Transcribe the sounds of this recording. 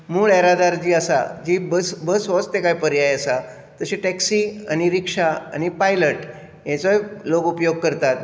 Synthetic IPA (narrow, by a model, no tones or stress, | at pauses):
muːɭɛɾad̪aɾd͡ʑiːəsa̰d͡ʑiːbəsbəsʋɔst̪ekaipəɾjajəsa | t̪əɕeʈɛksiːañiɾikʂaa̰ñipajləʈ | jɛ̃t͡sojloɡupjoɡ̚kəɾt̪at̪